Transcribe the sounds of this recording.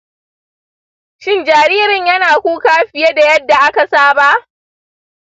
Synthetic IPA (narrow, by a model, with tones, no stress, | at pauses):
ʃɪ˦nd͡ʒaː˨ɾiː˦ɾɪ˨ɲjɐ˦naː˨kʷuː˦kaː˦ɸɪ˨je˦da˨jɐ˦dːa˨ʔa˦ka˨saː˦ba˦ʔ